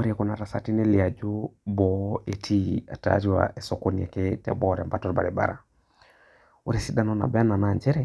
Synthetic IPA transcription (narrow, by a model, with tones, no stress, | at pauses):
o˦ɾe˨kɔ˨na˨ɾa˨sa˦ti˦ne˦li˨a˨d͡ʒo˦bɔ˨e˨tʰi˦a̰˨ta̰˦ɾi˦wa̰˨ʔɛ˨so˨ko˦niɛ˨ke˦tɛ̰˨bɔ˦ɾɛ˨mba˦tɔ˦ɾba̰˨ɾe˨ba̰˨ɾa̰˨ | o˦ɾe˨si˦da˦nɔ˦na̰˨ba˦na˨na˨ɲd͡ʒɛ˦ɾɛ˦˨